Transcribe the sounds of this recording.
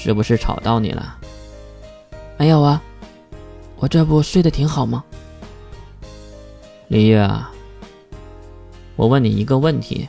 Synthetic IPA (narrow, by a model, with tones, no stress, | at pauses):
ʂɻ̩˥˩bu˧˦ʂɻ̩˥˩ʈ͡ʂʰɑ̰˨˩ʊt̪ɑ˥˩ʊnḭ˨˩lʔə̰˧˥ | me˧˥ɪjo˨˩ʊɐ˧ | wɔ˨˩ʈ͡ʂɤ˥˧pu˥˩swe˥˩ɪd̪ə˩t̪ʰi˧˥ŋxɑ˨˩ʊmɐ˦ | li˧˥jɛ˥˩ɐ̰˨˩ | wɔ˨˩wə˥˩nni˨˩i˧˥ɡə˧wə˥˩nt̪ʰḭ˧˥